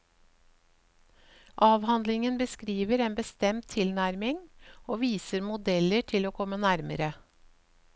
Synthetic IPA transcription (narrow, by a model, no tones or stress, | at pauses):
ʔɑːʋhɑnd̪lɪŋənbəskɾiːʋəɾeːnbəst̪ɛmt̪ʰɪlnæɾmɪŋoːʋiːsəɾmʊd̪ɛləʈʰɪloːkʰɔmːənæɾməɾə